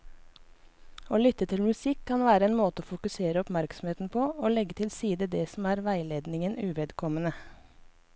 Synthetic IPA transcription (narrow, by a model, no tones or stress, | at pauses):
oːlʏt̪ət̪ʰɪlmʉsɪkʰːɑnʋæːɾəeːnmoːt̪əoːfʊkʉseːɾəɔpmæɾksɔm̩heːt̪n̩pʰoːoːlɛɡət̪ʰɪlsiːd̪əd̪ɛːsɔm̩æːɾʋæɪleːd̪nɪŋənʉʋɛːd̪kʰɔmənə